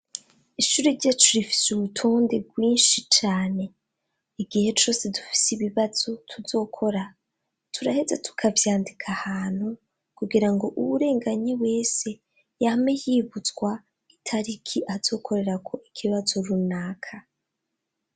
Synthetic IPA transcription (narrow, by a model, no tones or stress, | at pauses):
iʃuːɾiɾɟat͡ʃuɾifi̥suβutʰoːndebɡwiːnʃit͡ʃaːne̞ | iɡihe̞t͡ʃo̞ːse̞dufi̥siβiβaz̥otʰuzo̞ːkʰo̞ɾa | tʰuɾahe̞zatʰu̥kʰavjaːndikʰahaːn̥hu | kuɡiɾaŋɡo̞ʔuβuɾe̞ːŋɡaɲeβwe̞ːse̞ | jamejiβut͡sɡwa | itʰaɾikʰiʔaz̥o̞ːkʰo̞ɾe̞ɾakʰo̞ʔikʰiβazoɾunaːkʰa